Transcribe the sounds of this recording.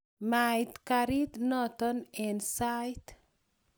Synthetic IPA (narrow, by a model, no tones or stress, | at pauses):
majt̪kaɾit̪nɔt̪ɔnensajt̪